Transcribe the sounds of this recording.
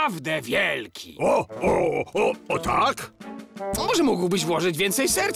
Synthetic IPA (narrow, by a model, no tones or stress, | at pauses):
vd̪ɛvʲjɛlkʲʰḭɔɔɔɔt̪ʰakt̪ɔmɔʐɛmuɡwbɘɕvwɔʐɨd͡ʑvʲjɛnt̪sɛjsɛɾt̪